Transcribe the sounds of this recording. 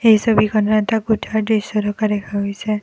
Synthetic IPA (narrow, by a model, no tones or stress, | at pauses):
ejsobikʰɔnɔat̪aɡutʰaɹdesɔdɔkadɛkʰaɦojsɛ